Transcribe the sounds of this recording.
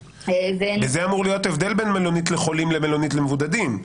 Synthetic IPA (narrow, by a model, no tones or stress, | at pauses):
veezeamuʁlijo̞t̪evd̪elbe̞nmelo̞nit̪leχo̞limlemelo̞nit̪lemevud̪ad̪im